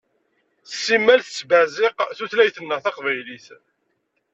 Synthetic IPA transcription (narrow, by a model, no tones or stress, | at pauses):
sːimːælθt͡sːbæzɪqθuθlæjθənːəʁθɑqvæjliθ